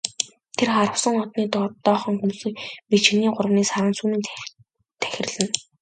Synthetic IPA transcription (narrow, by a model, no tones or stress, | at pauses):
t̪ʰerχaɾə̆wsə̆ŋɔt̪niːt̪ɔt̪ːɔːχɞ̆ŋxumsɵ̆kpit͡ɕ̆niːɢʊɾə̆wniːsaɾəːnsumɘ̆n | t̪ʰæ̥xʲɪ̆rɮɘ̆n